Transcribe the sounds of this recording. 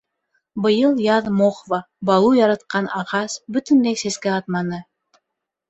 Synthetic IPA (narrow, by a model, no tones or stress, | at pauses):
bɤ̆jɤlˠjɑðmoχvɑ | bɑlˠujɑɾɑt̪̚qɑnɑʁɑsbɵ̆t̪ɘ̆nd̪æjsæskæɑt̪̚mɑnɤ